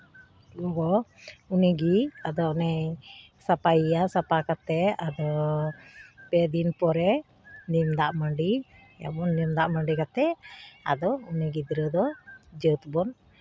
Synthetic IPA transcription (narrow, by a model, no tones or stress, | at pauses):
lɔɡɔuniɡiad̪ɔnɛj | sapaijasapakat̪ɛad̪ɔ | pɛd̪inpɔɾɛ | nimd̪aʔməɳɖi | ja̰bɔnːimd̪aʔməɳɖikat̪ɛa̰d̪ɔuniɡid̪iɾəd̪ɔd͡ʒət̪bɔn